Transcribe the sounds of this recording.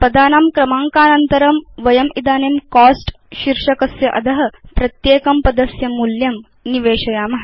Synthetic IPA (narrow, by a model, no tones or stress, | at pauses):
pɐd̪aːnaːmkɾɐmaːŋkaːnɐnt̪ɐɾɐmʋɐjɐmid̪aːneːmkaːsʈ | ʃiɾʂɐkɐsjɐʔɐd̪ʱɐɦɐ̆pɾɐt̪jeːkɐmpɐd̪ɐsjɐmːuljɐm | niʋeːʃɐjaːmɐɦ